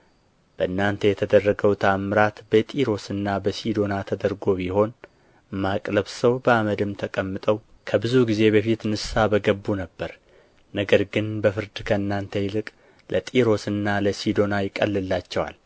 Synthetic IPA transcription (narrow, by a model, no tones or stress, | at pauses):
b̥əʔɨnːant̪ʰəjɛt̪ʰəd̪ərːəɡəwt̪ʰamɨɾat̪bət̪ʼiɾo̞sɨnːabəsid̪o̞nat̪ʰəd̪əɾɡo̞biho̞n | makʼləβsəwbəaməd̪ɨmt̪ʰəkʼəmːɨt̪ʼəw | kʰəbɨzuɡize̞bəfit̪nɨssabəɡəbːunəbːəɾ | nəɡəɾɡɨnbəfɨɾd̪ɨkʰəɨnːant̪ʰəjlɨkʼ | lʔət̪ʼiɾo̞sɨnːaləsid̪o̞najɪkʼːə̰lːɨlːat͡ʃːɛwa̰l